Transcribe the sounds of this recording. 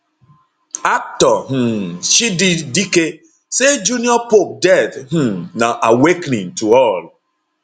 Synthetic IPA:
ak̚tɔɦ̩ʃididike | sed͡ʒuniɔpop̚dɛdɦ̩naʔawekniŋtuɔl

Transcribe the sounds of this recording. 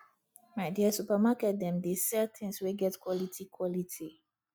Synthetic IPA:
maɪdiəsupəmakɛt̚d̪ɛ̃mdesɛlt̪ʰɪ̃ŋsweɡɛtkwɔlitʰikʰwɔlitʰi

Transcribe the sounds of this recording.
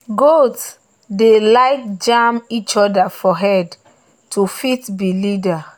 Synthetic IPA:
ɡots | delaɪk̚d͡ʒamit͡ʃɔdafɔɦɛd | tʰufitbilida

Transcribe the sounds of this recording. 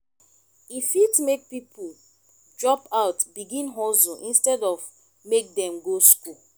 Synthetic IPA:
ifitmek̚pipʰu | dɹɔpaʊtbiɡĩnɦɔzoʔĩnstɛdɔv | mek̚dɛ̃mɡosku

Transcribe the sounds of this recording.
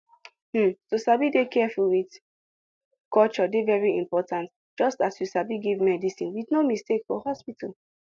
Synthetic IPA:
m̩sosabidekʰɛfulwid | kɔlt͡ʃɔdevɛɹiĩmpɔtãnt | d͡ʒɔstasjusabiɡivmɛdisĩnwitnomistekfɔ̰hɔspitʰal

